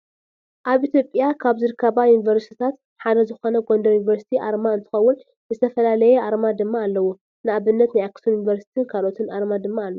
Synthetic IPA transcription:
ʔaβʔit̪jo̞pʼjakʰaβzɨɾɨkʰːɐβajunivɐɾst̪ʰi̥t̪ʰat̪ | ħad̪ɐzɨxo̞nɐɡo̞nd̪ɐjunivɐɾsi̥t̪ʰiʔaɾmaɨnt̪ʰɨ̥xɐwːʊn | zɨt̪ʰɐfɐlalɐjɛʔaɾmad̪ɨmːaːlːɐwo | nɨaβɨnːɐt̪najaksujunivɐɾsi̥t̪ʰinkʰalʔo̞t̪ʰɨnʔaɾmad̪ɨmːaːlːo

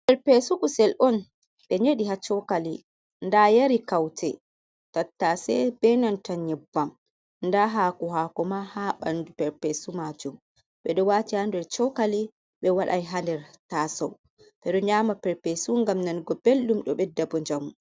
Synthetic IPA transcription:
pɛɾpesukusɛlʔɔn | ɓɛɲeɗiɦat͡ʃɔkali | ndajaɾikawtʰɛ | tatːasɛ̰bɛnantaɲɛbːam | ndaɦaːkɔɦaːkɔmahaɓandupɛɾpɛsumad͡ʒum | ɓɛɗɔwaːtihandɛɾt͡ʃɔkali | ɓɛwaɗa̰jɦandɛɾtaːsɔ̰w | ɓ̥ɛɗɔɲamapɛɾpesuŋɡamnanɡɔbelːumɗɔɓɛdabɔɲd͡ʒamu

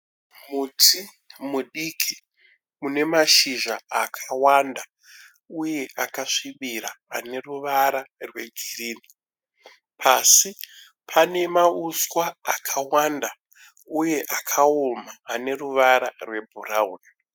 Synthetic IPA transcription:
mutʰi | muɗikʰi | mune̞maʃiʒaakʰawanda | uje̞ʔakaʂiɓiɾaːne̞ruʋaɾarwe̞d͡ʒiriːni | pʰasi | pʰane̞mauswaakʰawanda | uje̞ʔakʰaomaːne̞ruʋaɾa̰rwe̞bʱurauːna

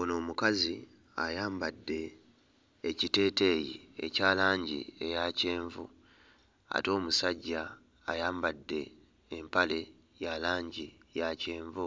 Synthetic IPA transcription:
ono̞ːmukazi | a̰jaːmbadːe̞ː | cite̞ːte̞jḭḛcaːlaːɲɟḭe̞jace̞ːɱvṵ | a̰to̞ːmusaɟːaː | jaːmbadːe̞ː | mpale̞ | jalaːɲɟijace̞ːɱvu

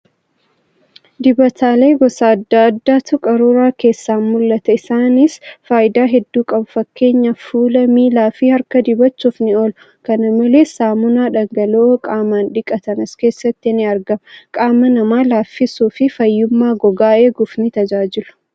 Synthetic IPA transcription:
d̪ɪbɐt̪ʰaːle̞ːɡɔsaːɐd̪ːaːɐd̪ːaːt̪ʰʊkʼɐɾuːɾaːke̞ːsːaːnmʊlːɐt̪ɐɪsaːnɪsfaːʔɪd̪aːɦɛd̪ːuːkʼɐbʊfɐkːe̞ːɲːɐfuːlɐmiːlaːfiːhɐɾkɐd̪ɪbɐt͡ʃːuːfnɪɔlʊ | kɐnɐmɐle̞ːsaːmʊnaːᶑɐŋɡɐlokʼaːmaːnᶑɪkʼːɐt̪ɐnɐske̞ːsːɐt̪ːɪnɪɐɾɡɐmkʼaːmːɐnɐmaːlaːfːɪsuːfɪfɐjːʊmːaːɡɔɡaːe̞ːɡʊfnɪt̪ɐd͡ʒaːd͡ʒɪlʊ̥

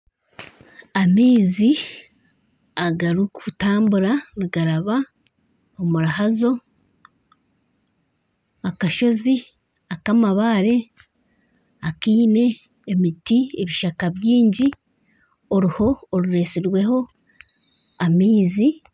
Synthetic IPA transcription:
amiːzi | aɡaɾukutaːmbuɾaniɡaɾaβa | omuɾaɦazo̞ | akaʃo̞zi | akamaβaːɾe̞ | akiːne̞ː | mitieβiʃakaβjiːɲɟi | oɾiho̞ːɾuɾe̞siɾwe̞ɦo̞ | amiːzi

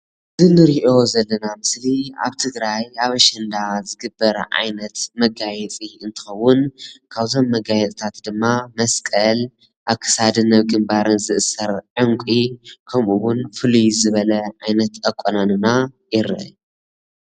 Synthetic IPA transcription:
ɨzɨnɨɾiʔo̞zɐlːɐnamɨslia̰βt̪ʰɨɡɾajaβɐʃɐnd̪azɨɡɨbːɐɾɐ̰ʕa̰jnɐt̪mɐɡajɛt͡sʼiɨnt̪ʰɨ̥xɐwːʊnkʰaβzo̞mːɐɡajɛt̪ʼt̪ʰat̪d̪ɨmːamɐskʼɐl | ʔaβkʰɨ̥sad̪ɨnːɐβɡɨmbaɾɨnzɨʔɨsɐɾʕɨŋkʷʼikʰɐmʔuwʊnfɨlujzɨβɐlɐʕajnɐt̪ɐkʼːonanɨna | jɪɾɐ̰

